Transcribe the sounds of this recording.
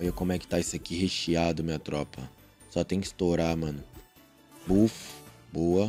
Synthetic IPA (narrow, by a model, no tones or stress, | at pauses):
ɔʎɐkõmʊɛkɪ̥t̪aisɪɐkiheʃiad̪ʊmẽɐt̪ɾɔpɐ | sɔt̪ẽj̃kɪ̥st̪oɾamɐ̃nʊ | bufʊ̥boɐ